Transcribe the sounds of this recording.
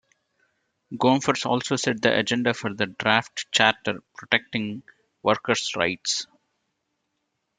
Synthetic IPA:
ɡõːmfəɾsɔ̰ːlsoːsɛʈ̚d̪ḭʔɐ̰d͡ʒɛ̃ɳɖafɔɾd̪əɖɾaːfʈt͡ʃæːʈəɾpɾoʈek̚ʈɪ̃ŋ | ʋəɾkəɾsɾa̰ɪʈs

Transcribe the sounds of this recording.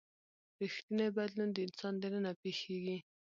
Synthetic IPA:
ɾixt̪inebad̪lund̪əɪnsɑnd̪enənapexeɡi

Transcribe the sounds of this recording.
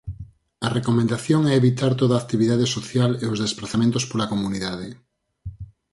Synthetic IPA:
ɐrekomẽnd̪aθjoŋɛeβit̪aɾt̪oðaːkt̪iβiðaðesoθjaleozðespɾaθamẽnt̪ospolɐkomuniðaðɪ

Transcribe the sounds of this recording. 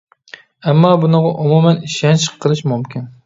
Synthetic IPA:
æmːɑːbunəʁɑʔumumæniʃɛnt͡ʃʰɪ̥qʰːəlˠɨʃmumkʲɪn

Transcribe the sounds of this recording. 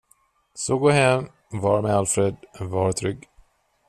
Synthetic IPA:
sɔɡoːɦɛm | vɑːɾmealfɾed̪vɑːɾt̪ʰɾʏɡ

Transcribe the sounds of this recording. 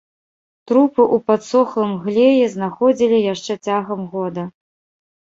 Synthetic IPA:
t̪ɾupɨʔupat̪sɔxlˠɨmɣlʲejɛznaxɔd͡zʲilʲijaʂt͡ʂɛt͡sʲaɣɐmɣɔd̪ɐ

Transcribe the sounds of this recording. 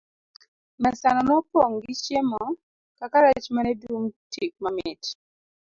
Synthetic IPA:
mɛsanɔnɔpɔŋɡit͡ʃjemɔ | kakaɾat͡ʃmanɛduŋtik̚mamɪt

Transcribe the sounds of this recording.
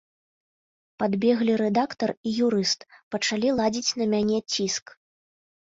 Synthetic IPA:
pad̪bʲɛɣlʲiɾɛd̪akt̪ɐrijuɾɨst̪pɐt͡ʂalʲilˠad͡zʲit͡sʲnɐmʲanʲɛt͡sʲisk

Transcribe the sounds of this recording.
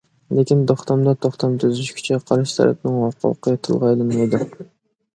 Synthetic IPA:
lekʲint̪ʰoχt̪ʰɑmd̪ɑt̪ʰoχt̪ʰɑmt̪ʰyzyʃkʲʰy̥t͡ʃʰɛqʰɑɾɨʃt̪ʰæ̰ɾʔɛ̰p̚nɪŋhɑqʰɑ̰qʰət̪ʰɨ̰lˠʁɑjlˠɨned̪ɪ

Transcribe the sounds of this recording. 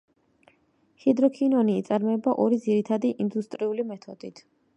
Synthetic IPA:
hid̪ɾɔkʰinɔniːt̪sʼaɾmɔɛbaʔɔɾid̪ziɾit̪ʰad̪iʔind̪ust̪ʼɾiulimɛt̪ʰɔd̪̥it̪ʰ

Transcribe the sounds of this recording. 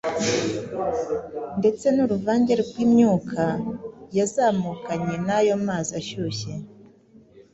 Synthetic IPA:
nde̞t͡se̞nuɾuvaːɲɟeɾeɡɡwiːmɲuːkʰajazaːmukaɲe̞najo̞maːzaʃuçe̞

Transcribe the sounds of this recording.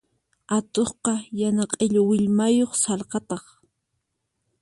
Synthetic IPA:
at̪oχqɑjanɑqʼeʎʊwɪʎmajoχsɑlqɑt̪ɑχ

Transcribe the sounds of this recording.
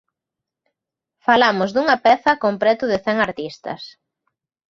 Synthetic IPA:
falamʊzd̪uŋɐpɛθɐkompɾɛt̪ʊðɪθɛŋaɾt̪ist̪ɐ̰s

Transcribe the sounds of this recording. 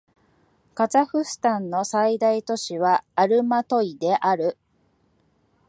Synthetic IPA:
kazaɸɯ̟sɨ̥t̪ãnːo̞said̪ait̪o̞ɕiβaːɾɯ̟mat̪o̞id̪e̞ʔaɾɯ̟

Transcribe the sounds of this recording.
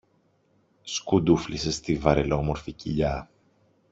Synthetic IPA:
skud̪uflisest̪ivɐɾelo̞mo̞ɾficiʎɐ

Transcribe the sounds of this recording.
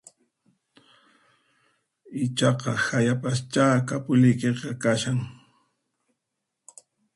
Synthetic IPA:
ɪt͡ʃɑqɑhajapast͡ʃaːkapʊʎɪjkeqɑkaʃaŋ

